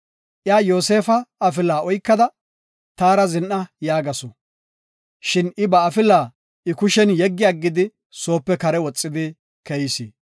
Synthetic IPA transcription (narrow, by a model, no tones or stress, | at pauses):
ʔjaːjo̞ːse̞ːfɐɐfɪlːaːɔjkːɐd̪ɐ | t̪aːɾɐzɪnʔɐjaːɡɐsɔ | ʃɪnɪbɐːfɪlːaː | ʔɪkʊʃɛnjɛɡːɪjɐɡːɪd̪ɪ | so̞ːpːɛkɐɾɛwɔt͡sʼːɪd̪ɪ | kɛjsi